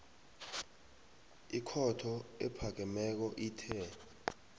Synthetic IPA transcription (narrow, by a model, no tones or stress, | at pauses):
ikʰɔtʰɔɛpʰak̬ɛmɛk̬ɔʔiːtʰɛ